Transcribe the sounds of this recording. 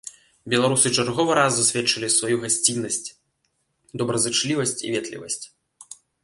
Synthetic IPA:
bʲɛlˠaɾusɨt͡ʂarɣɔvɨɾazːasʲvʲɛtt͡ʂːɐlʲisvajuɣasʲt͡sʲinːɐsʲt͡sʲ | d̪ɔbɾɐzɨt͡ʂlʲivɐsʲt͡sʲḭvʲɛt̪lʲḭvɐ̰sʲt͡sʲ

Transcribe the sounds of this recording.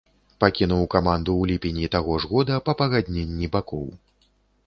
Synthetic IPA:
pakʲinuwkamand̪uwlʲipʲenʲit̪aɣɔʐɣɔd̪ɐpɐpɐɣad̪ʲnʲenʲːibakɔ̰w

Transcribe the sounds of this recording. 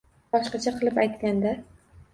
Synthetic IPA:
bɒʃqɑt͡ʃʰaqʰɨlˠɪpajt̪kʲand̪a

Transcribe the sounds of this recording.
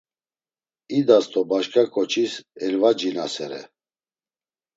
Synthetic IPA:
id̪ast̪ʰʼɔbaʃkʰakʰʼɔt͡ʃʰisɛlvad͡ʒinasɛɾɛ̰

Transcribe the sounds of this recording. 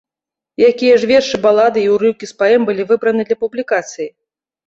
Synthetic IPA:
jakʲijɛʐvʲɛrʂɨbalˠad̪ɨiwɾɨwkʲispaɛmbɨlʲivɨbɾɐnɨd̪lʲɐpublʲikat̪sɨji

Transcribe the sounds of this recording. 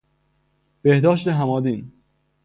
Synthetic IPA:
b̥ehd̪ɒːʃt̪eɦæmɒːd̪iːn

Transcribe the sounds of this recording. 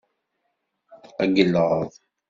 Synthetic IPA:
æɡəlːəʁðˤ

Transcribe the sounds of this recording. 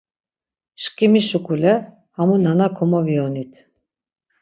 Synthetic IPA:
ʃkʼimiʃukʰʼulɛ | hamunanakʰɔmɔviɔnit̪ʰ

